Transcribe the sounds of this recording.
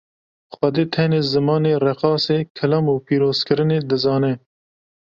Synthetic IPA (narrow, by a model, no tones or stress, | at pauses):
xɐd̪eːt̪ʰɛneːzɨmɑːneːrɛqɑːseːkʰɐlamuːpiːɾoːzkɨɾɨneːd̪ɨzɑːnɛ